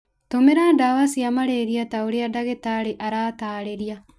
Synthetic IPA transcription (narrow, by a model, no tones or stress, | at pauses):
tomeɾadawasiamaɾeɾiataoɾeadaɣetaɾeʔaɾaːtaːɾeɾia